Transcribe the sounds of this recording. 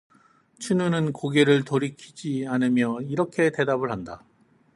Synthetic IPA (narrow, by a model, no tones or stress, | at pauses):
t͡ɕʰinunɯnkoɡeɾɯɭtoɾikʰid͡ʑianɯmjʌiɾʌkʰe̞te̞dabɯɭɦanda